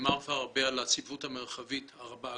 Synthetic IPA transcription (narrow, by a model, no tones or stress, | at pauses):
maʁfaʁabealat͡sivuthameʁχavithaʁabaa